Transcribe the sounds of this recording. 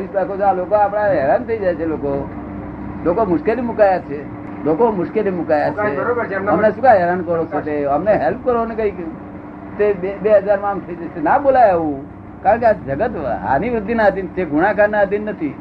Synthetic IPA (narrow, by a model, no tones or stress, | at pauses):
ʋisbakot͡ʃʰalokoapɽ̃aɦɛɾant̪ʰəid͡ʒajt͡ʃʰeloko | lokomʊʃkelimʊkajat͡ʃʰe | lokomʊʃkelimʊkajat͡ʃeəmnesʊkaɦɛɾankəɾot͡ʃʰet̪eəmneɦɛlp̚ʰkəɾonekəik | t̪eebeɦəd͡ʒaɾmãmt̪ʰəid͡ʒaenabolajeʋũ | kaɾə̃ɳkead͡ʒəɡət̪ʋə̰a̰niʋɾɪd̪inaːd̪int̪eɡʱʊɽ̃akanːad̪inːət̪ʰi